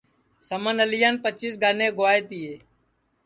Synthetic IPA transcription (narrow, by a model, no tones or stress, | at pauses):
səmənəlɪjãːnpət͡ʃiːs̬ɡaːneːɡʊʋaːeːt̪ɪːeː